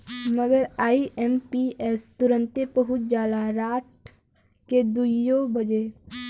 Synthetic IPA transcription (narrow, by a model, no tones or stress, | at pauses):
məɡəɾaːiʔɛmpiɛːst̪ʊɾə̃nt̪epəɦʊt̪̚d͡ʒaːd̪aɾaːʈ̚ | ked̪uijobɐd͡ʒe